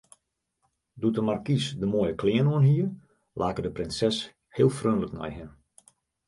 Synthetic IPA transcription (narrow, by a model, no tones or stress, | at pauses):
dutəmarkisdəmoːjəklɪənoənhiːər | laːkədəprɪnsɛs | hɪəlˠfrøːnləknɛ̰jɦɪn